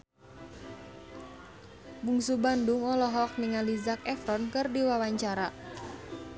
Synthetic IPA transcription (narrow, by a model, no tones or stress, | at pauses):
buŋsubandʊŋɔlɔɦɔk̚niŋalizakɛfɾɔnkɨrdiwawaɲt͡ʃaɾa